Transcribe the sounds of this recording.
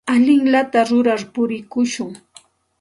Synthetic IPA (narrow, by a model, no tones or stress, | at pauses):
aʎɪŋlat̪aɾʊɾaɾpʊɾɪkʊʃʊŋ